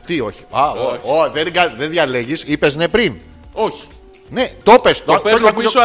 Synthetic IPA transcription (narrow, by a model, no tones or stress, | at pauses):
t̪io̞çi̥aooðenɡɐðenðʝɐle̞ʝisipe̞zne̞pɾin | oçi̥ | ne̞t̪o̞pest̪oɐkuo